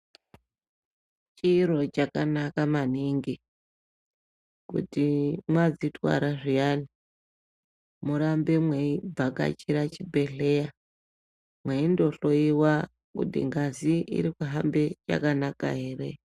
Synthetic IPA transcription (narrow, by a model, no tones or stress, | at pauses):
t͡ʃiːɾo̞t͡ʃakanakamaniŋɡi | kṵtimwad͡zitwa̰ɾaʐijaːni | muɾambemweib͡vaka̰t͡ʃiɾat͡ʃibʱe̞ɬe̞ja | mweindo̞ɬo̞iwa | kṵtḭŋɡaziʔḭɾikuɦambe̞t͡ʃa̰kanaka̰ɦe̞ːre